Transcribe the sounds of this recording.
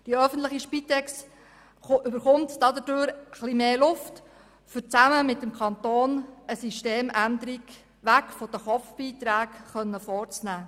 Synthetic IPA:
d̥iœfən̩tləχiʃpit̪ɛks | ʏbəɾχʊmt̪d̥ɑd̪ədøːɾəχlimeːlʊft | fʏɾt͡sæməmɪt̪ːəmkʰɑnt̪oːnəsiʃteːmænd̪əɾiɡ | ʋækfod̥̪əχɔpfb̥iːt̪ɾæːkχœnːəfɔːɾt͡snæː

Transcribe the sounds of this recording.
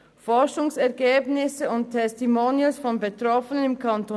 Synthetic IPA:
fɔʁʃʊŋsɛɐɡeːbnɪsəʊnttʰːɛstimoniəlsfɔnbetʁɔfənənɪmkʰɑnto

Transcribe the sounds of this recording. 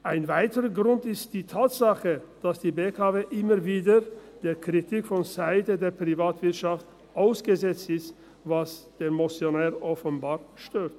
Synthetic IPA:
ʔaɪnvaɪtəʁəɡʁʊntɪstd̥iːtʰaːtz̥aχəd̥asd̥iːbeːkʰaːveːʔɪməviːdəd̥eːɐkʁ̥itʰikfɔnzaɪtədeːɐpʁ̥ivaːtv̥ɪɐtʃaft | ʔaʊsɡ̥əzɛt͡stɪst | vasd̥eːnmot͡sjonɛːʁʔɔfənbaːɐʃtøːt

